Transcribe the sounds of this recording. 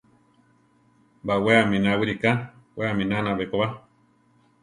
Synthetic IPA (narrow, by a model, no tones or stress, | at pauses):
mbaweamĩnawiɾikaweamĩnanãβekoβa